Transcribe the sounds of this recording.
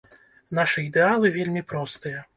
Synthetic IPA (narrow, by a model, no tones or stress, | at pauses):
n̪aʂɨid̪ɛalˠɨvʲelʲmʲipɾɔst̪ɨjɐ